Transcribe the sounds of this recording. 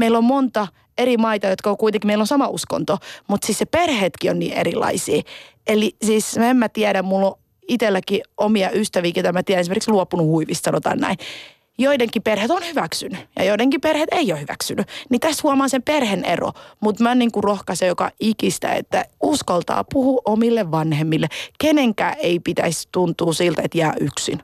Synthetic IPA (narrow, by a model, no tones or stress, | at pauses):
meilːommont̪ɑ | eɾimɑit̪ɑjot̪kɑokuit̪eŋkimeilːosɑmɑusko̰nt̪omut̪siːsneperheːt̪kionnḭːʔḛɾilɑ̰isḭːelisiːsmemmæt̪iæɾæmmulːo | it̪elːækiomiɑʔyst̪æʋiːkiot̪ɑmæt̪iæɾænesimerksluopunuhuiʋist̪sɑnot̪ɑ̰ːnnæ̰in | joideŋkiperhet̪onhyʋæksynyjɑ̰joideŋkiperhet̪eiohyʋæ̰ksynynit̪æst̪huɑmɑːnsemperhenḛro̰mut̪mæniːŋkurohkɑsejokɑ̰ʔikist̪æ̰ḛt̪ːæuskɑlt̪ɑ̰ːpuhuʔomilːeʋʋɑnhemːilːekeneŋkæ̰ːʔeipit̪æ̰ist̪unt̪uːsilt̪et̪jæːʔyksḭn